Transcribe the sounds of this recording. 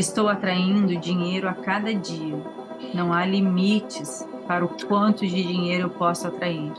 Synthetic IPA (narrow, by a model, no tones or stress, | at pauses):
ɪst̪owat̪ɾaĩnd̪ʊd͡ʒiɲejɾʊakad̪ɐd͡ʒiɐ | nɐ̃w̃alimit͡ʃɪs | paɾɐʊkwɐ̃nt̪ʊd͡ʒɪd͡ʒiɲejɾʊewpɔsʊat̪ɾaid̪ʊ